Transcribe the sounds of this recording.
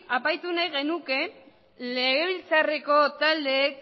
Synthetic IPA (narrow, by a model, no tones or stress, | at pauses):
apajt̪unajɣe̞nuke̞ | le̞ɣe̞βilt͡sare̞ko̞t̪ald̪e̞ːk